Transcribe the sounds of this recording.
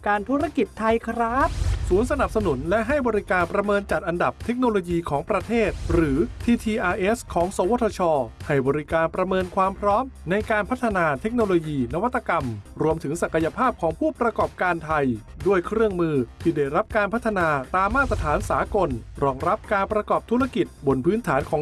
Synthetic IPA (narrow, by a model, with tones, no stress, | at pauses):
kaː˧nt̪ʰu˦˥ɾa˥˩ki˨˩t̪ʰːa˧jkʰɾa˦˥p̚suː˩˦nsa˧na˨˩p̚sa˧nu˩˦nlɛ˦˥ʔɦa˥˩jbɔː˧ɾi˦˥kaː˧npɾa˧mɤː˧nt͡ɕa˨˩t̪̚ʔa˧nda˨˩p̚t̪ʰe˦˥k̚noː˧loː˧jiː˧kʰɔː˩˦ŋpɾa˧t̪ʰeː˥˩t̪̚ɾɯː˩˦t̪ʰiː˧t̪ʰiː˧ʔaː˧ʔe˦˥skʰɔː˩˦ŋsoː˨˩˦wo˦˥t̪ʰːɔː˧t͡ɕʰɔː˧ha˥˩jbɔː˧ɾi˦˥kaː˧npɾa˧mɤː˧nkʰwaː˧mpʰɾɔː˦˥mna˧jkaː˧npʰa˦˥t̪ʰːa˧naː˧t̪ʰe˦˥k̚noː˧loː˧jiː˧na˦˥wa˦˥t̪ːa˧ka˧mɾu˧əmt̪ʰɯ˩˦ŋsa˨˩ka˧ja˧pʰaː˥˩p̚kʰɔː˩˦ŋpʰuː˥˩pɾa˧kɔː˨˩p̚kaː˧nt̪ʰa˧j | du˥˩əjkʰɾɯ˥˩əŋmɯː˧t̪ʰiː˥˩daː˥˩jɾa˦˥p̚kaː˧npʰa˦˥t̪ʰːa˧naː˧t̪aː˧mːaː˥˩t̪̚ːɾa˧t̪ʰaː˩˦nsaː˩˦ko˧nɾɔː˧ŋɾa˦˥p̚kaː˧npɾa˧kɔː˨˩p̚t̪ʰu˦˥ɾa˧ki˨˩t̪̚bo˧npʰɯː˦˥nt̪ʰaː˩˦nkʰɔː˩˦